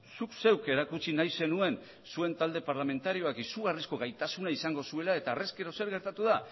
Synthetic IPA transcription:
sukse̞wke̞ɾakut͡sinajse̞nue̞n | sue̞nt̪ald̪e̞paɾlame̞nt̪aɾio̞akisuɣ̞arisko̞ɣajt̪asunaisaŋɡo̞sue̞lae̞t̪aːre̞ske̞ɾo̞se̞ɾɣe̞ɾt̪at̪uða

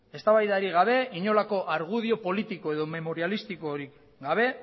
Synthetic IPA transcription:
e̞st̪aβajðaɾiɣ̞aβ̞e̞iɲo̞lako̞ʔaɾɣ̞uð̞io̞po̞lit̪iko̞e̞ðo̞me̞mo̞ɾialist̪iko̞ɾik | ɡaβ̞e̞

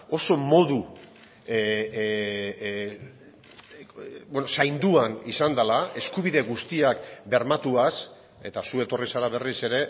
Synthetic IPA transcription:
o̞so̞mo̞ðu | bwenosajnd̪uanisand̪alae̞skuβ̞iðe̞ɣust̪iakbe̞ɾmat̪uas | e̞t̪asue̞t̪o̞risaɾaβ̞e̞rise̞ɾe̞

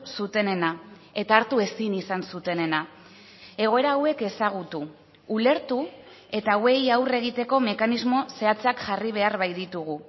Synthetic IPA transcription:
sut̪e̞ne̞nae̞t̪aːɾt̪ue̞sinisansut̪e̞ne̞na | e̞ɣ̞o̞e̞ɾaːwe̞ke̞saɣ̞ut̪uː | le̞ɾt̪u | e̞t̪awe̞jawre̞ɣit̪e̞ko̞me̞kanizmo̞se̞at͡sakʝariβ̞e̞arβajðit̪uɣ̞u

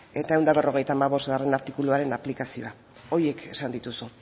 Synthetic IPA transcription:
e̞t̪ae̞wnd̪aβe̞ro̞ɣ̞e̞jt̪aːmaβo̞zt̪ɣare̞naɾt̪ikuluaɾe̞naplikasio̞̰a | o̞ɾie̞kʰe̞sand̪it̪usu

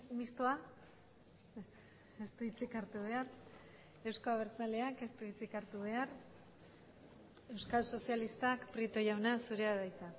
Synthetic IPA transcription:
mist̪oa | est̪uβit͡sikaɾt̪uβ̞e̞ar | e̞wskoaβ̞e̞ɾt͡sale̞ake̞st̪uβit͡sikaɾt̪uβ̞e̞ar | e̞wskalso̞sialist̪akpɾit̪o̞jawnasuɾeaðajt̪a

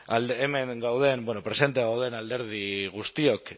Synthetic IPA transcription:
aleme̞ŋɡawð̞e̞nbweno̞pɾese̞nt̪̬eaɣawðe̞nald̪e̞ɾð̞iɣ̞ust̪io̞k

